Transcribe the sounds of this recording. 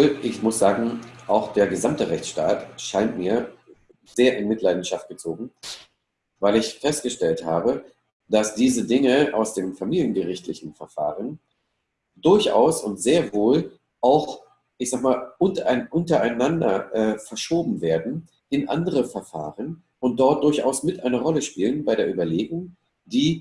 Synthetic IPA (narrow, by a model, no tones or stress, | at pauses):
lʔɪçmʊsz̥aːɡŋ̩ʔaʊxd̥eːɐɡəzamtəʁɛçt͡sʃtaːtʃaɪntmiːɐ | zeːɐʔɪnmɪtlaɪdn̩ʃaft̚ɡ̥ət͡soːɡŋ̩ | vaɪlɪçfɛst̚ɡ̥əʃtɛlthaːbə | d̥asd̥iːzədɪŋəʔa̰ʊsd̥eːmfamiːljənɡəʁɪçtlɪçn̩fɛɐfa̰ːʁən | d̥ʊɐçʔa̰ʊsʊntz̥eːɐvoːl | ʔaʊx | ʔɪçz̥aːɡmaːlʔʊntnʔʊntɐaɪnandɐ̰ʔɛːfɛɐʃoːbm̩veːɐdn̩ | ʔɪnʔa̰ndəʁəfɛɐfa̰ːʁən | ʊnt̚d̥ɔɐt̚d̥ʊɐçʔaʊsmɪtʔaɪnəʁɔləʃpiːlənbaɪɾeːɐʔyːbɐleːɡʊŋ | d̥iː